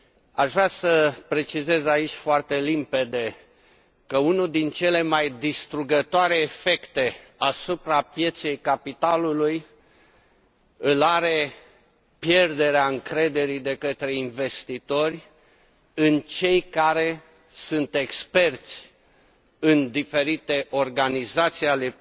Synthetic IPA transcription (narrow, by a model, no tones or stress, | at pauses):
aʃvɾasəpɾe̞t͡ʃize̞zait͡ʃʲfoart̪e̞limpe̞d̪e̞ | kəunud̪int͡ʃe̞le̞majd̪ist̪ɾuɡət̪oaɾe̞ːfe̞kt̪e̞asupɾapje̞t̪se̞jkapit̪aluluj | ɨlaɾe̞ | pje̞rd̪e̞ɾeaɨŋkɾe̞d̪e̞ɾid̪e̞kət̪ɾe̞inve̞st̪it̪o̞rʲ | ɨnt͡ʃe̞jkaɾe̞ | sunt̪e̞kspe̞rt̪sʲ | ɨnd̪ife̞ɾit̪e̞ʔo̞rɡanizat̪siale̞